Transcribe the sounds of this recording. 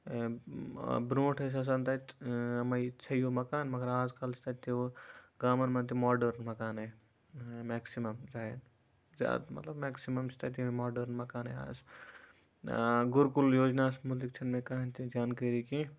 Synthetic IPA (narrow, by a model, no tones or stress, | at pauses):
bɾõːʈʰɐs̬ɐs̬ɐnt̪ɐt̪ɐmɐjt͡ʃʰɐjoːmɐkaːnmɐɡɐɾaːzkɐlsʰt̪ʰɐt̪ːeʋɡaːmɐnmɐnt̪imaːɖɐɾnmɐkaːne | mɛːksimɐmzaːen | za̰ːd̪mɐ̰t̪lɐbmɛːksimɐmst̪ʰɐt̪̬iemaːɖɐɾnmɐkaːnea̰ːz | ɡuɾkuljoːd͡ʒnaːsmulik̚t͡ʃʰɐnmẽkaːɐnt̪id͡ʒaːnkəɾiki